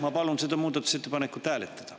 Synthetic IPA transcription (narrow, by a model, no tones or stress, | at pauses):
mɑpɑlunsed̪ɑmuːd̪ɑt̪ːˑu̥set̪ːepɑnekːut̪æːlet̪ːæ̥d̪̥ɑ̥